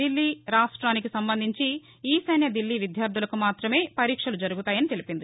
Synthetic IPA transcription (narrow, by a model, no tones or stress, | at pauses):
ilːiːɾaːʂʈɾaːnikisɐmbɐnd̪ʱiɲt͡ʃi | iːsɐjnjɐd̪ilːiːʋid̪ʱjaːɾd̪ʱulɐkumaːt̪ɾɐme̞ːpɐɾiːkʂɐlud͡ʒɐɾuɡut̪aːjɐnit̪elipind̪i